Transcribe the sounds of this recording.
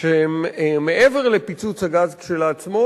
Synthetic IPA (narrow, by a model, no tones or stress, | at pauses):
ʃeemme̞ʔeveʁlepit͡sut͡shaɡazkʃelat͡smo